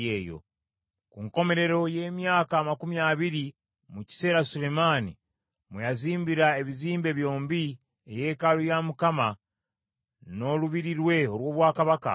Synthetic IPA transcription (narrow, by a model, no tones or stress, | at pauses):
eːjo̞̰ | kuŋko̞me̞ɾe̞ɾo̞je̞ːmjaːkaːmakumijaβiɾi | muci̥se̞ːɾasule̞maːnḭ | mujaziːmbiɾae̞βiziːmbe̞βjo̞ːmbi | eje̞ːkalujamukama | no̞luβiɾiɾwe̞o̞lwo̞ːβwaːkaβaka̰